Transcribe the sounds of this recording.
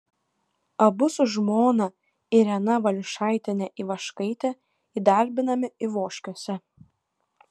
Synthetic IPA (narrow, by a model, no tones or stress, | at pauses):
ɐbʊsʊʒmoːnɐ | ɪɾʲɛnɐʋɐlʲʃɑˑɪt̪ʲɪnʲɛʔiˑʋɐʃkɐɪt̪ʲɛ | iːd̪ɐˑɾʲbʲɪnɐmʲɪɪʋoːʃʲkʲosʲɛ